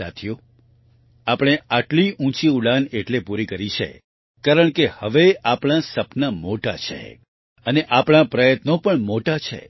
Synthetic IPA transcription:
a̰t̪ʰjo | apɽ̃eaʈliʔũt͡ʃiuɽaneʈlepuɾikəɾit͡ʃʰḛ | kaɾəɳkehəʋeapɽ̃asəpnamoʈa̰t͡ʃʰḛ | əneʔapɳ̃apɾəjət̪nopəɳmoʈat͡ʃʰḛ

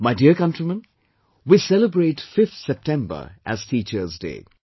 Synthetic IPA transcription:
maɪdiəkʌ̃ntɹimə̃n | wisɛləbɾeːʈfɪft̪sɛp̚ʈʰɛ̃mbə̰˞ʔæ̰z̥tʰiːt͡ʃəzdḛː

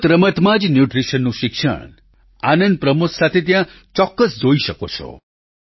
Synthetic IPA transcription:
t̪ɾəmət̪mad͡ʒnjuʈɾisənːũʃikʃə̰ɽ̃ | anənd̪̚pɾəmussat̪ʰet̪̬jã | t͡ʃɔkːəsd͡ʒoiʃəko̰t͡ʃʰɔ̰

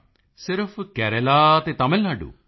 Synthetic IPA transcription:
sɪɾpʰkɛːɾelaːt̪eːt̪aːmɪlnaːɖṵː

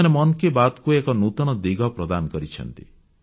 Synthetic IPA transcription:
nemɔnɔkebat̪kuekɔnut̪ɔñɔd̪iɡʱɔpɾɔd̪anɔkɔɾit͡ʃʰɔ̰nt̪i̥

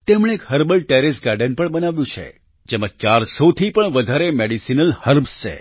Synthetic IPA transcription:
t̪emɽeːkɦəɾbəlʈeɾɪsɡaɾɖənpəɳbənaʋjũt͡ʃʰḛ | d͡ʒemat͡ʃaɾsot̪ʰipəɳʋəd̪ʱaɾemeɽisinəlhəɾbst͡ʃʰḛ

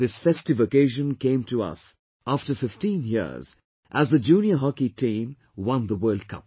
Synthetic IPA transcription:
ðɪsfɛstɨvəkeɪʒə̃nkẽɪ̃mtʰəʌ̰s | æftəfɪftĩnjɪ̰ɹz̥ | ʔæzðəd͡ʒũnjəɦɑkitʰĩm | wʌ̃nðəwɜ˞ld̚kʰʌ̰̃p̚

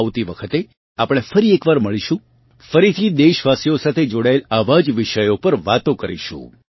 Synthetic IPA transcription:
ʋt̪iʋəkʰət̪e | apɽ̃efəɾiekʋaɾməɭiʃũ | fəɾit̪ʰid̪eʃʋasijosat̪ʰed͡ʒoɽaelaʋad͡ʒʋɪʃəjopəɾʋat̪õkəɾḭʃṵ̃

